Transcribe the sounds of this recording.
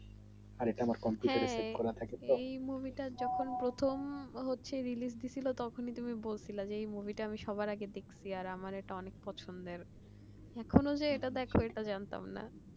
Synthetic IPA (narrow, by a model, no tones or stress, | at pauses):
aɾeʈaamaɾkɔmpjuɦʈɛaɾ̃ɾsekɔɾat̪ʰakeɔejmuvʱiʈad͡ʑɔkʰonpɾot̪ʰomɦotːɕʰeɾilis̬d̪it͡ɕʰilot̪ɔkʰonit̪umibolsʰilad͡ʑeejmuvʱiʈaamiʃɔβajɾaɡed̪ekʰsʰiaɾamaɾeʈaɔnek̚pɔt͡ɕʰond̪eɾ | ɛkʰonod͡ʑeeʈad̪ɛkʰoeʈad͡ʑant̪a̰mna̰